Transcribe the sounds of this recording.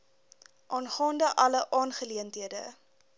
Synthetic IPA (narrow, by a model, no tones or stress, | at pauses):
ʔɑːnχɑːndəʔɐləʔɑːnχəliəntɦiədə̰